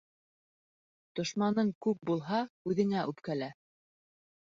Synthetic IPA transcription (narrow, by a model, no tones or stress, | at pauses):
t̪ŏʃmɑnɤɴkʉp̚bulˠɦɑʉðɘ̆ŋæʔʉpkælæ